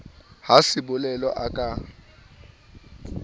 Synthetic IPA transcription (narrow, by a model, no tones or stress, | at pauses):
hasɪbʊlɛlɔʔakʼa